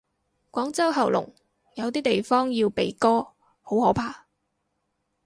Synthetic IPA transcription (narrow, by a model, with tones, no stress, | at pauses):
kʷɔː˨˥ŋt͡sɐ˥wɦɐ˨˩wlʊ̰˨˩ŋ | jɐ˨˧wt̪iː˥t̪e˨jfɔː˥ŋjiː˧wpe˨˧jkɔː˥ | ho˨˥whɔː˨˥pʰaː˧